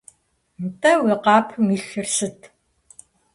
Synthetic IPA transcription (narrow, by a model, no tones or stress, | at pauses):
mtʰʼɐweːqaːpʰmiːɬɨrsɨtʰ